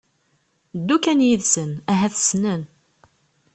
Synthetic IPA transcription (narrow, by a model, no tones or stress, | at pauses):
d̪ːukænjiðsənæɦæθə̥snən